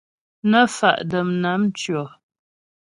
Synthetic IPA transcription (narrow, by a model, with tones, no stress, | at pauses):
nə˦fa̰˨ʔdə˨mna˨˦m˦t͡ʃɥɔ˨